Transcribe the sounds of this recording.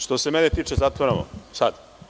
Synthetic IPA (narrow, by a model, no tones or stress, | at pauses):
ʃt̪o̞semenet̪iːt͡ʃezat̪ʋoɾano̰sad̪